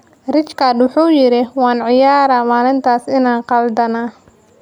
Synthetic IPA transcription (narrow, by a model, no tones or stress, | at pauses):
rɪt͡ʃkʰad̪wʊħuːjɪɾɪwɑːnʕɪjaːɾaːmaːlɪnt̪ʰaːsɪnaːnqɑld̪ɐnaː